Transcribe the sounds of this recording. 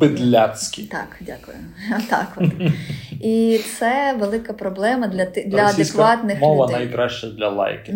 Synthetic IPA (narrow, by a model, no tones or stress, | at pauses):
bɪd̪lʲat͡sʲkʲit̪ɑ̰kdʲakʊjʊ | t̪ɑ̰kd̪ | it̪sɛʋelˠɪkɐpɾɔblˠɛmɐd̪lʲɐt̪ɪd̪lʲɐɐd̪ekʋɑt̪nɪxmɔʋɐnɐjkɾaʃt͡ʃɛd̪lʲɐlˠa̰jkɪ